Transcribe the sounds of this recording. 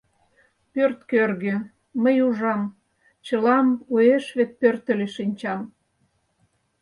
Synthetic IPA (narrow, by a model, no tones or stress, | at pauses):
pørt̪kørɣeː | əjuʒɑm | t͡ɕəlɑmueʃβet̪̚pørt̪əleʃinʲt͡ɕɑm